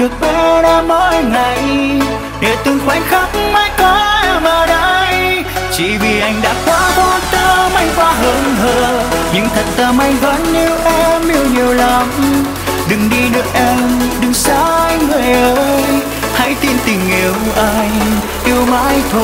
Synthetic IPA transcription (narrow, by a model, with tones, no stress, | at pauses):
ɗɨ˨˩ək̚ɓɛ˧˦ɗaː˧mɔ˧˦ŋa˨˩j | ɗe˨˩t̪ɨ˧əŋkwa˧˩jŋ̟xa˦˥k͡p̚maː˧˥jŋka˨˦˧maː˨˩ɗə˧˥j | t͡ɕḭ˧˩vi˨˩ʔa˧jŋ̟ɗa̰ː˧˥kwaː˨˧˦t̪o˧t̪əː˧ma˧jŋvaː˧ɦəː˧˦nɦəː˧ɲɨ̰˧˥ŋt̪ʰə˨˩t̚t̪əː˧ma˧jŋvə˧˥nːi˧əwʔɛ˧mʔi˧əwɲi˨˩əwla˨˩m | ɗɨ˨˩ŋɗi˧ɗɨ˨˩ək̚ʔɛ˧mɗɨ˨˩ŋsaː˧˦˧jŋɨ˨˩jʔəː˧˦j | ha̰˧˥jt̪i˧nt̪ï˨˩ŋ̟ʔi˨˩˦əwʔa˧jŋ | ʔi˧əwmaː˧˥jt̪ʰo˧